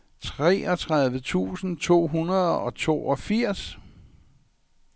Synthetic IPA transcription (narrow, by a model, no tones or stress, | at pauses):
t͡sʰʁɛ̰ːɒ̽t͡sʰʁaðˠʋət͡sʰṵːsn̩t͡sʰo̝̰ːɦunɐðˠɒ̽t͡sʰo̝̰ːʔɒfiɐ̰s